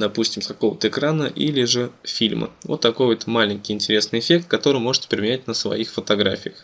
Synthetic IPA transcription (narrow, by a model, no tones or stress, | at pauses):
d̪ɐpusʲtʲɪmkɐko̞vət̪əɪkɾanəʔilʲɪʐɨfʲilʲmə̰vo̰t̪ːɐkojvot̪malʲɪnʲkʲɪjɪnʲtʲɪɾʲe̞snɨjɪfʲe̞kt̪̚kɐt̪o̞ɾɨjmo̞ʐɨ̥tʲɪ̥pɾʲɪmʲɪnʲæt̚ʲnəsvɐ̰ixfət̪ɐɡɾa̰fʲɪjəx